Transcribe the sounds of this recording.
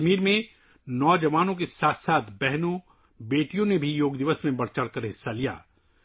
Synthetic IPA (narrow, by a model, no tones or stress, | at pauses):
miːɾmẽ | nɔːd͡ʒɐʋaːnõk̬esaːt̪ʰsaːt̪ʰbɛɦnõ | beːʈijõnebʱijoːɡd̪ɪʋəsmẽbɐɽt͡ʃəɽkəɾɦɪsːalija̰ː